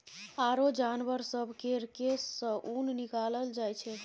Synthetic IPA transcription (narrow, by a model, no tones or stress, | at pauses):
aɾod͡ʒanbəɾsəbʱkeɾkesəʔunnikaləld͡ʒajt͡ʃʰɛ